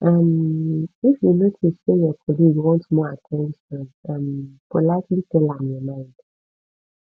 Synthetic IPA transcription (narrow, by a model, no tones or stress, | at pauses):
ʔʌm | ifjunotʰusejɔkʰɔliɡwɔ̃ntmɔatʰɛ̃nʃə̃nʌ̃mpʰɔlaɪklitɛlãnjɔmãɪ̃nd̥